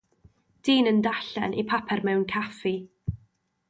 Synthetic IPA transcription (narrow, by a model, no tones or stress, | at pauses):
d̥iːnəndaɬɛ̰nʔipʰapʰɛrmɛwnkʰafi